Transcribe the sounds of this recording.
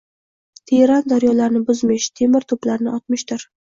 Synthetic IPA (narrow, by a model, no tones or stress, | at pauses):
t̪ʰeɾand̪aɾjɒlaɾnɪbʊzmɪʃt̪ʰe̞mɪɾt̪ʰʊplaɾnɪɒt̪mɪʃt̪ʊɾ